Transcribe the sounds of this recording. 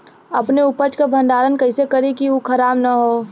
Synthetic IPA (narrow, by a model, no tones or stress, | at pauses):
ɐpneʊpət͡ʃkabʱə̃nɖ̪aːɾənkɐɪsekɐɾikiukʰɐɾaːbnɐɦoː